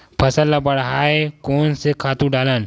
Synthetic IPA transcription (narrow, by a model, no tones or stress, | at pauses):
pʰɐsəlːabɐɽɦaːekɔːnsekʰaːt̪ũɖaːlan